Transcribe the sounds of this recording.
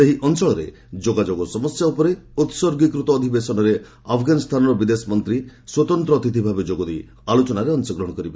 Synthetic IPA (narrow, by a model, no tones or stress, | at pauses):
seɦiʔɔnsɔɭɔɾḛ | d͡ʒoɡad͡ʒoɡɔsɔmɔsjaupɔɾeut̪sɔɾɡikɾut̪ɔːd̪ʱibesɔnɔɾe | apʰɡanist̪ʰanɔɾɔbid̪esɔmɔnt̪ɾiswɔt̪ɔnt̪ɾɔːt̪it̪ʰibʱabed͡ʒoɡɔd̪ej | alot͡ʃɔnaɾeɔnsɔɡɾɔɦɔ̃kɔɾibe